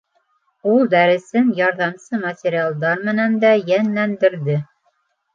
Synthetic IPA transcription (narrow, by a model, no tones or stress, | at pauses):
ulˠd̪æɾɘ̆sɘnjɑɾðɑmsɤmɐtʲɪɾʲialˠd̪ɑɾmɘ̆nænd̪æjænlænd̪ɘ̆ɾðɘ